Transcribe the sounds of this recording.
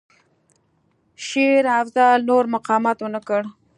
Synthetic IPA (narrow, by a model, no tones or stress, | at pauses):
ʃeɾafzɑlnoɾmaqɑmɑt̪wənakəɽ